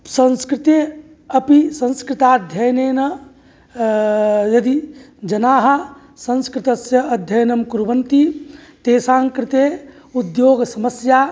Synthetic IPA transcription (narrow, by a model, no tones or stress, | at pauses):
sɐ̃nskɾɪt̪e | ɐpisɐ̃nskɾɪt̪ad̪ʱjɐjnenɐ | jɐd̪i | d͡ʒɐnaːɦɐ | sɐ̃nskɾɪt̪ɐsjɐɐd̪ʱjɐjnɐmkuɾʋɐnt̪it̪eːsãːŋkɾɪt̪e | ud̪joːɡsɐməsja